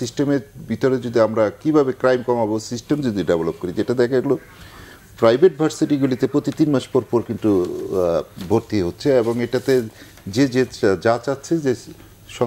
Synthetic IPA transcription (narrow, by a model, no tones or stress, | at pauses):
sisʈemeɾbit̪oɾed͡ʑod̪iamɾakibʱabekɾajmkɔmabosisʈemd͡ʑod̪iɖebelob̚koɾid͡ʑeʈad̪ɛkʰaɡulo | pɾajbʱeʈ̚bʱaɾsiʈiɡulit̪epɾot̪it̪inmaʃpɔɾpɔɾkint̪u | bʱoɾt̪iɦotːɕʰeeboŋeʈat̪e | d͡ʑed͡ʑed͡ʑat͡ɕatːʰed͡ʑe | ʃɔ